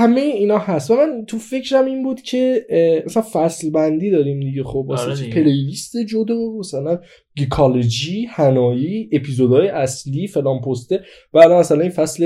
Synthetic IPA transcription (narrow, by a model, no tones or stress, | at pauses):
hæmejeiːnɒːhæst̪væmænt̪ʰufe̞cʰɾæmiːnbuːd̪̥cʰe̞mæsælænfæslbænd̪iːd̪ɒːɾiːmd̪iɟe̞xob̚mæsæt͡ʃepʰe̞lejist̪ed͡ʒod̪ɒmæsælæn | ɡikʰɒled͡ʒihænɒːjiːʔepʰizod̪ɒːjeʔæsliːfe̞lɒːnpʰost̪e | b̥æːd̪ænmæsælæninfæsle